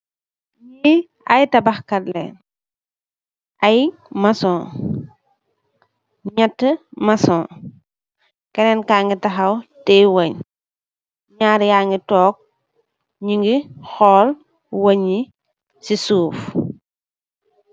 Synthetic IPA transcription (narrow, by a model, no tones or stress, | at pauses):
ɲiː | ɐjtɐbɐxkɐtlɛ̰n | ʔɐj | mɐsɔ̃ː | ɲɐtːəmɐsɔ̃ː | kɐnɛnkaːŋɡitɐxɐwtɛjwɐɲ | ɲaːɾjaːŋɡitɔːk̚ | ɲiŋɡixɔːl | wɐɲi | sisuːf